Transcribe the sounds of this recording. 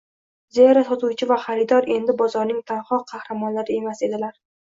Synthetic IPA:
zeaɾat̪ɒt̪ʰuwt͡ʃʰɪvaχaɾɪd̪ɒɾe̞nd̪ɪbɒzɒɾnɪŋt̪ʰanχɒqʰːɑhɾamɒnlaɾɪe̞mase̞d̪ɪlaɾ

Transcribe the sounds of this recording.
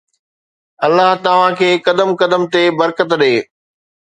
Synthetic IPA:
ɐlːaɦt̪ɐʋ̤ãkʰeːkɐd̪əmkɐd̪əmt̪ebɐɾkət̪ɗeː

